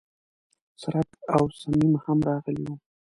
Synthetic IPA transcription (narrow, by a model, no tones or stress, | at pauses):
saɾakawsamimhamɾɑɣəliwu